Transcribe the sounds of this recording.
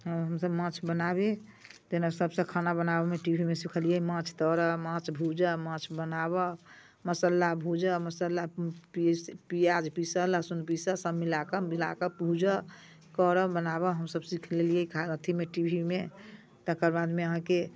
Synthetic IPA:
ɦəɦəmsəbmãt͡ʃʰbənabe | d͡ʒ̪enasəbsə̃kʰanabənabemeʈibʱimesikʰəlijəimãt͡ʃʰt̪əɾəmãt͡ʃʰbʱud͡ʒəmãt͡ʃʰbənaβə | məsəlːabʱud͡ʒəməsəlapipijad͡ʒpisəlasunpisəsəmilakəmila̰kəpud͡ʒə | kɔɾəbənabəɦəmsəbsikʰlelijəikʰaət̪ʰimeʈibʱime | t̪əkəɾbad̪meəɦãke

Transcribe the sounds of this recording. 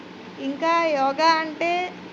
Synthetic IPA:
iŋkaːjɔːɡaːɐɳʈeː

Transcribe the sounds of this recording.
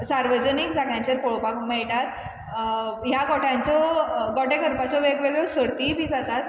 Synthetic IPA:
saɾʋəd͡ʑənikd͡zakãɲt͡ɕəɾpoɭopakmɛɭʈat̪̚ | jaɡɔʈãɲt͡ɕɔɡɔʈekəɾpat͡ɕɔʋeɡʋeɡjɔsəɽt̪iːbʱĩːd͡zat̪at̪

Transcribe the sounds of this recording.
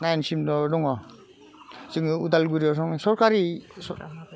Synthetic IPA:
najnsimdɔdɔŋɔ | siŋudalɡuɾiɔs̬ɔŋsɔɾkaɾisɔ

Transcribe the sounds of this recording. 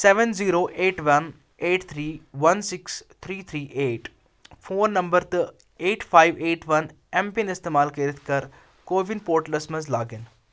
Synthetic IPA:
seʋənziːɾoːʔeːʈʋɐn | eːʈt̪ʰɾiːʋɐnsɪkst̪ʰɾiːt̪ʰɾiːʔeːʈ | fʰoːɾnɐ̃mbəɾt̪ɐ | eːʈpʰaːɪʋeːʈʰʋɐn | ɛ̃mpinɪst̪eːmaːlkɐːɾɪt̪ʰkɐɾ | koːʋɪnpoːɾʈlɐsmɐzlaːɡɪn

